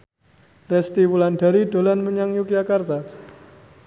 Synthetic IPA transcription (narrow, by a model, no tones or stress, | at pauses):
rɛst̪iwulanɖa̤ɾiɖ̥o̤lanməɲaŋjuk̚jakart̪a